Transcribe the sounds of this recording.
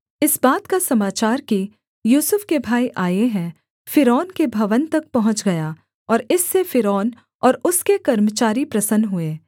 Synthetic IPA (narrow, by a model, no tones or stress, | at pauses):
ɪsbaːt̪kasɐmaːt͡ʃaːɾki | juːsʊfkebʱaːiʔaːjeɦɛ̃ | fɪɾɔːnkebʱɐʋənt̪ɐk̚pɐɦʊ̃ɲt͡ʃɡɐjaː | ɔːɾɪsːefɪɾɔːn | ɔːɾʊskekɐɾmət͡ʃaːɾipɾɐsənɦʊeː